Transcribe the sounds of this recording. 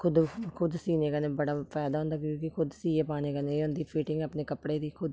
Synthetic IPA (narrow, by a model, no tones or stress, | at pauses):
kʰʊd̪kʰʊd̪siːneːkaneːbəɽaːpɛːd̪aːɦõnd̪aːkəokɪkʰʊd̪siːeːpaːneːkaneːʊ̃nd̪iːpʰiːʈɪ̃ŋɡaːpneːkəpɽeːd̪iːkʰʊd̪